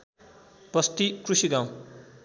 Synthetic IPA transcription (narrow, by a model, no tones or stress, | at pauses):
pʌst̪ikrusiɡãw̃